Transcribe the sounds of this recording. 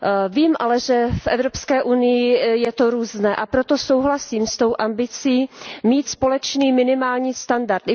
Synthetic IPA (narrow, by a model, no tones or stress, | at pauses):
viːmʔalɛʒɛfʔɛ̰vɾopskɛːʔunɪjɪjɛt̪o̞ɾuːznɛːʔapɾot̪o̞so̞wɦlasiːmst̪o̞wʔambɪt͡siːmiːt̪spo̞lɛt͡ʃniːmɪnɪmaːlɲiːst̪andaɾt̪